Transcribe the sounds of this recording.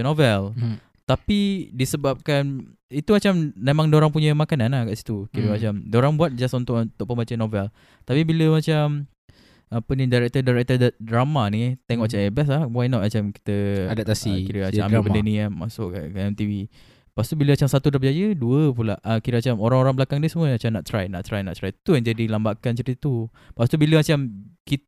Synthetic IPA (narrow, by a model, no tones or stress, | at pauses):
novɛl | t̪apidisəbap̚kan | it̪umat͡ʃammemãŋdoɾaŋpuɲəmakananakaʔsi̥t̪ukiɾəmat͡ʃamdoɾaŋbuat̪̚d͡ʒasunt̪ʊʔnt̪ʊʔpəmbat͡ʃənovɛl | t̪apibiləmat͡ʃam | apənidaɾɛk̚t̪ədaɾɛk̚t̪əddɾamanit̪eŋɔʔt͡ʃaebɛs̬lahwajnɔʔ̪̚mat͡ʃamki̥t̪əadap̚t̪asikiɾəat͡ʃaamibəndənĩamasʊʔaamt̪ivi | past̪ubiləmat͡ʃamsat̪udap̚d͡ʒajəduəpulaʔʔəkiɾəmat͡ʃamoɾaŋoɾaŋbəlakaŋdəsəmuəat͡ʃamnaʔt̪ɾajna̰ʔt̪ɾajnaʔt̪ɾajt̪ujaŋd͡ʒadilambaʔkant͡ʃəɾit̪u | past̪ubiləmat͡ʃamki